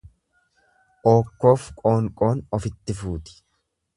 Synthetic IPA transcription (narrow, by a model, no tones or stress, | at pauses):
ʔoːkːo̞ːfkʼo̞ːŋkʼo̞ːnɔfɪt̪ːɪfuːt̪ɪ̥